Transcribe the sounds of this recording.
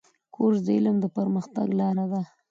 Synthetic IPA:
kʰoɾzd̪elamd̪əpəɾməxt̪a̰ɡlɑɾad̪a

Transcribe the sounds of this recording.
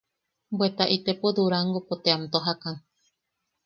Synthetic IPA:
mbet̪aʔit̪epod̪uɾaŋɡopot̪eamt̪oɦakãŋ

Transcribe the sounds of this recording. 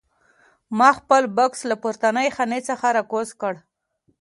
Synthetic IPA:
mɑxpəlbʊkslapʊɾt̪anəjxanet͡səxaɾɑkozkəɽ

